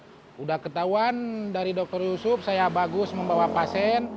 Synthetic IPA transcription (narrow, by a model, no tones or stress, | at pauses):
udahkət̪auandaɾidɔk̚t̪ɔrjusʊp̚sajabaɡʊsməmbawapasɛn